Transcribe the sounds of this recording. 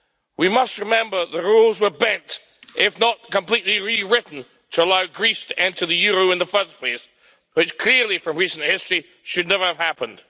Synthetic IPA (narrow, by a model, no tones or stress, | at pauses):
wimʌst̚ɹɨmɛ̃mbə˞ðəɹulˠzwə˞bɛ̃nt | ɪfnət̚kə̃mpl̥iʔˡliɹiɹɪʔn̩ | tʰəəlaʊɡɹistʰɨʔɛ̃ntʰə˞ðɨjʉɹoʊɨ̃nðəfɜ˞spʰl̥eɪs | wɨt͡ʃkʰl̥ɪɹlifɹʌ̃mɹisn̩hɪstɹ̥i | ʃɨdⁿnɛvə˞əv̥hæpə̃nd̥